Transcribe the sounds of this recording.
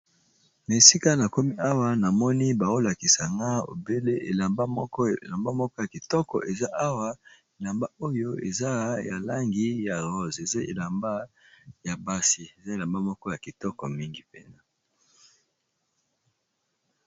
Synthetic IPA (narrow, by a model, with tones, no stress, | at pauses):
na˨e˨si˦ka˦na˨ko˦mi˦a˦wa˦na˨mɔ˦ni˦ba˨o˦la˨ki˨sa˨ŋɡa˦o̰˨be˦le˦ʔe˨la˨mba˦mɔ˦kɔ˦˨la˨mba˦mɔ˦kɔ˦ja˨ki˨tɔ˦kɔ̰˨ʔe˨za˦ʔa˦wa˦ | e˨la˨mba˦o˦jo˦ḛ˨za˦ja˨la˦ŋɡi˦ja˨ʁɔ˦ze˨za˦ḛ˨la˨mba˦ja˨ba˦si˨e˨za˦e˨la˨mba˦mɔ˦kɔ˦ja˨ki˨tɔ˦kɔ˨mi˦ŋɡi˦pe˦na˦